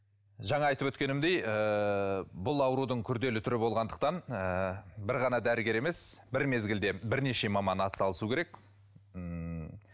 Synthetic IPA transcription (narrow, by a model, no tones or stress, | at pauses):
ʒɑɴɑɑjt̪əpwɵt̪̚kʲe̞nɪmd̪e̞jə | bʊlˠɑwəɾud̪əɴkʲʰʏɾd̪e̞lɪt̪ʰʏɾɪbo̞lˠʁɑnd̪əqt̪ɑnəbɪɾʁɑnɑd̪æɾəɡʲe̞ɾe̞me̞sbɪɾme̞zɡʲɪld̪e̞bɪɾne̞ʃe̞mɑmɑnɑt̪ə̥sɑlˠəsukʲeɾe̞k